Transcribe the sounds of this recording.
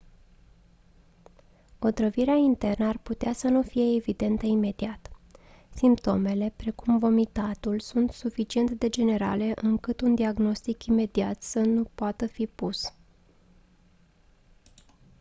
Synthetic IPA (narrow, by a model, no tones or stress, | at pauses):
o̞t̪ɾəviɾeaint̪e̞rnəarput̪easənufije̞ːvid̪e̞nt̪əime̞d̪iat̪ | simpt̪o̞me̞le̞pɾe̞kumvo̞mit̪at̪ulsunt̪sufit͡ʃie̞nt̪d̪e̞d͡ʒe̞ne̞ɾa̰le̞ʔɨŋkɨt̪und̪iaɡno̞st̪ikime̞d̪iat̪sənupoat̪əfipus